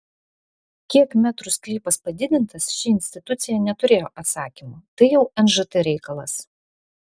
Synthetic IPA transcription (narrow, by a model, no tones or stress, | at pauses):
kʲiɛkmʲæt̪ɾʊsʲklʲiːpɐspɐd̪ʲɪd̪ʲɪnt̪ɐsʃʲɪɪnʲsʲt̪ʲɪt̪ʊt̪sʲɪjɛnʲɛt̪ʊɾʲeːjoːʔɐt̪sɑːkʲimut̪ɐɪjɛʊɛnʒɨt̪ɛɾʲɛɪkɐlˠɐs